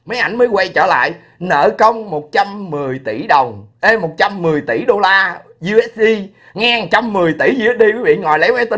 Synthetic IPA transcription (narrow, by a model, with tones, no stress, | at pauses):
məː˨˦jʔa˧˩jŋ̟məː˨˦jkwa˧jt͡ɕə̰ː˧˩la̰ː˧˨j | nə̰ː˧˨kə˧wŋ͡mmo˨˩t̚t͡ɕa˧mːɨ˨˩əjt̪i˧˩ɗə˨˩wŋ͡mʔə˧mo˨˩t̚t͡ɕa˧mːɨ˨˩əjt̪i˧˩ɗo˧laː˧ | zu˧ʔɛ˦˥s̚i˧ | ŋaː˧˨ŋt͡ɕa˧mːɨ˨˩əjt̪i˧˩zu˧ɛ˦˥t̚ɗi˧kwi˨˦vḭ˧˨ŋɔ̰˧˨jlə˨˦jma˨˦t̪i˧˦